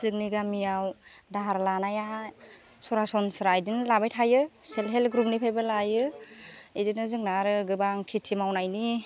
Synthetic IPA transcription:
zɯk̚niɡamijaw | daɦaɾlanaja | sɔɾasɔnsɯɾajdinlabajtʰajɯselɦelɡɾupnipʰajbalajɯ | idɯnɯzɯŋnaɾɯɡɯbaŋkʰitʰimawnajni

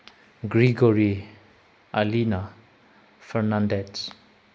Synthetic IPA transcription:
ɡɾiɡoɾi | alina | fʰəɾnandet

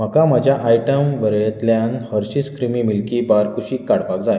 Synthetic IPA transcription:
m̤əkamad͡ʑʱjaʔajʈəmʋəɾɭet̪ljanhəɾɕiːskɾimiːmilkiːbaɾkuɕiːkaɽpakd͡zaj

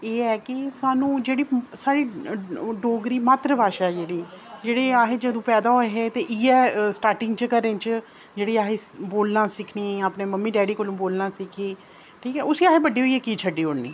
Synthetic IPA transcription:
eːɛːkɪsaːnũːd͡ʒeːɽiːsaːɽiː | ɖoːɡɾiːmaːt̪ɾəbʱaːʃad͡ʒeːɽiːd͡ʒeːɽeːaːɦeːd͡ʒəd̪õːpɛːd̪aːɦoeɦeːt̪eːʔiːɛːsʈaːɾʈɪŋɡt͡ʃəkəɾẽːt͡ʃ | d͡ʒeːɽiːaːɦeːboːlnãːsɪkʰniːaːpneːməmːiːɖɛːɽiːkolũːboːlnãːsɪkʰiː | ʈʰiːkɛːʊsiːaːɦeːbəɖiːɦoːiːɛːkiːt͡ʃʰəɖːiːoːɽnḭː

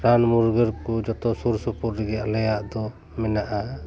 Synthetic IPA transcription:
ɾanmuɾɡəɾkud͡ʒɔt̪ɔsuɾsupuɾɾɛɡɛalɛjaʔd̪ɔ | mɛnaʔa

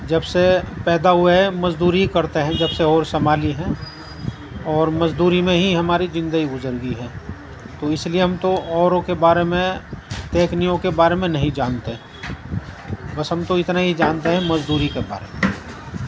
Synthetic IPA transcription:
d͡ʒɐbsepɛːd̪aɦʊemɐzd̪uːɾikɐɾt̪eɦɛ̃d͡ʒɐbseɔːɾsɐmaːliɦɛ̃ː | ɔːɾmɐzd̪uːɾimẽɦiɦɐmaːɾizɪ̃nd̪əɡiɡʊzəɾɡiɦɛ̃ː | t̪oɪslieɦɐmt̪oɔːɾõkebaːɾemẽt̪eːknijõkebaːɾemẽnɐɦĩd͡ʒaːnt̪eɦɛ̃ | bɐsɦɐmt̪oɪt̪naɦid͡ʒaːnt̪eɦɛ̃mɐzd̪uːɾikeba̰ːɾḛmẽ

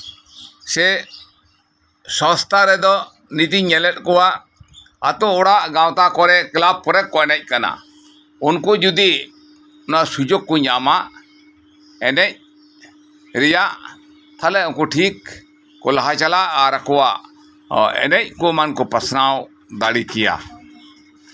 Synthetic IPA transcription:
sɛ | sɔ̃st̪aɾɛd̪ɔ | nit̪iɲɛlɛt̪̚ˀkɔwaʔ | at̪ɔɔɽaʔɡawt̪akɔɾɛklab̚pɔɾɛkkɔʔnɛc̚ˀkana̰ | unkɔd͡ʒud̪i | ɔnaʔsud͡ʒoɡːɔɲamaʔ | ɛnɛc̚ | ɾɛjaʔ | t̪ʰalɛunkɔʈʰikː | ɔ̰laɦat͡ʃalaʔaɾakɔwaʔ | ɛ̰nɛc̚ˀkɔmankɔpasnaw | d̪aɽikɛja̰

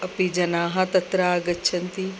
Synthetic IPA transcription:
ɐpid͡ʒɐnaːɦɐ̃t̪ɐt̪ɾaːɡɐtːʃʰɐnt̪i

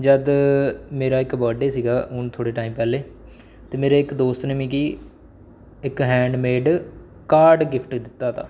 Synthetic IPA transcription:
d͡ʒəd̪meːɾaːɪkbəːɖeːsiːɡaːʊnt̪ʰoːɽeːʈaːiːmpɛːleː | t̪eːmeːɾeːɪkd̪oːst̪nemĩːkiː | ɪkɦɛ̃ːɳɖmeːɖ | kaːɾɖɡɪpʰʈd̪ɪt̪ːaːt̪a̰ː

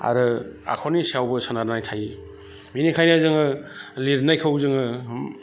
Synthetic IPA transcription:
a̰ɾɯa̰kʰɔnisawbɯsɯnaɾnajtʰaji | minikʰajnazɯŋɯliɾnajkʰɯwzɯŋɯ

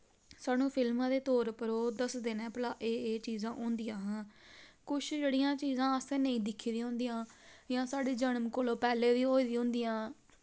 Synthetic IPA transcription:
saːnũːpʰɪlmãːd̪eːt̪oːɾpəɾoːd̪əsd̪eːnɛ̃ːpəlaːʔeːeːt͡ʃiːzãːʔõːnd̪ijãːɦãːkʊt͡ʃʰd͡ʒeːɽijãːt͡ʃiːzãːəsẽːnəĩːd̪ɪkʰiːd̪ĩɦõʊ̃ːnd̪ijãːjãːsaːɖeːd͡ʒənəmkoːloːpɛːleːd̪iːɦoːiːd̪iːɦõːnd̪ijãː

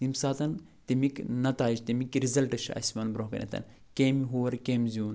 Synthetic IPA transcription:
t̪imsaːt̪ɐn | t̪imiknɐt̪aːid͡ʒt̪imikɾizɐlʈɐʃʰɐ̰sʲmɐnbɾoɦkɐ̰nʲʔɐ̰t̪ʰɐ̰n | keːmiɦoːɐɾkeːmʲzuːn

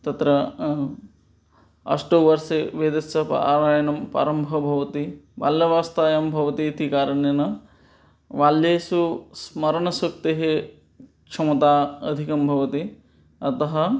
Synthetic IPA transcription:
t̪ɐt̪ɾɐ | ɐ̰ʂʈoʋɐɾseʋeːd̪ɐsɐpɐ̰a̰ːɾaːjɐnɐmpa̰ːɾɐmbʱɐbʱɐʋɐt̪iʋa̰ːlːɐʋaːst̪aːjɐmbʱɐʋɐt̪iːt̪ikaːɾɐɳjɐnɐ | ʋaːljeːsusmɐɾɐɳɐsɐk̚t̪eɦe | kʂʰɐmɐt̪aːɐd̪ʱikɐmbʱɐʋɐt̪i | ɐt̪ɐɦɐ

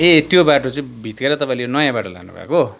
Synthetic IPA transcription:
et̪jobaʈot͡sʌĩbʱit̪ɡeɾʌt̪ʌpãĩlenʌjãbaʈʌla̰nṵbʱa̰ko

